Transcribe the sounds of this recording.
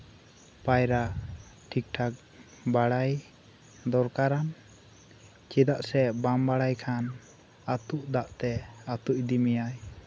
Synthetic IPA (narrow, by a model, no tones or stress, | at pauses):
pajɾaʔʈʰik̚ʈʰak̚ | baɽaj | d̪ɔɾkaɾan | t͡ʃid̪aʔsɛbambaɽajkʰan | at̪uʔd̪aʔt̪ɛat̪uʔd̪imijaj